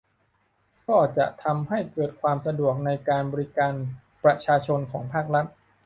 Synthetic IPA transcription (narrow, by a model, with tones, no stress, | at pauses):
kɔː˥˩t͡ɕa̰˨˩ʔt̪ʰa˧mha˥˩jkɤː˨˩t̪̚kʰwaː˧msa˧du˨˩ək̚na˧jkaː˧nbɔː˧ɾi˦˥kaː˧n | pɾa˧t͡ɕʰaː˧t͡ɕʰo˧nkʰɔː˩˦ŋpʰaː˥˩k̚ɾa˦˥t̪̚